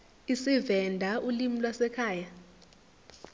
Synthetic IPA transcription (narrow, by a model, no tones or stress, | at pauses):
isivɛndʱaʔulimilwasɛkʰaːja